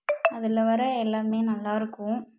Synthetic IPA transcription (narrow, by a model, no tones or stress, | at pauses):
ɐðɪlɐʋɐɾɐɛlːaːmeːnɐlːaːɪɾɯkːʊ̃